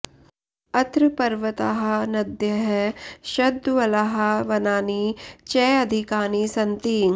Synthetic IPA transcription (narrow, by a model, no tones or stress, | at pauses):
ɐt̪ɾɨpɐɾʋət̪aɦɐnɐd̪jɐɦʃɐd̪ʱːʋɐlaɦɐʋɐnaːniːt͡ʃɛːɐd̪ʱikaːniːsɐnt̪iː